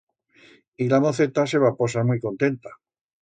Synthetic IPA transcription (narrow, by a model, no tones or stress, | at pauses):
ilamoθe̞t̪ase̞βapo̞s̬amijko̞nt̪e̞nt̪a